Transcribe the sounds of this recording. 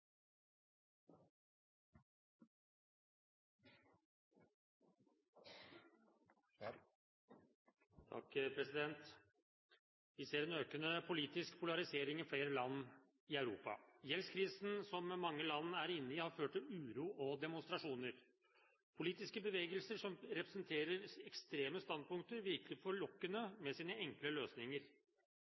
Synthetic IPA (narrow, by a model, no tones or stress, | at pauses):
t̪ʰɑ̰kpʰɾɛsɪd̪ɛnt̪ | ʋɪseːɾɛnøːkənəpʰʊliːt̪ɪskpʰʊlɑɾɪseːɾɪŋifɽeːɾəlɑnː | ɪœʉɾṵːpɑ̰jɛlskʰɾiːsn̩sɔmːmɑŋːəlɑnːæɾɪnːəɪhɑɾføːʈʈɪlʉːɾuːʔɔd̪ɛmʊnst̪ɾɑʂuːnəɾ | pʰʊliːt̪ɪskəbəʋeːɡəlsəʂɔmɾɛpɾəsənt̪ʰeːɾəɾɛkst̪ɾeːməst̪ɑnd̪̚pʰʊŋk̚t̪əɾʋɪɾkəlɪfɔɭɔkːənəmɛsiːnəɛŋkləløːsnɪŋəɾ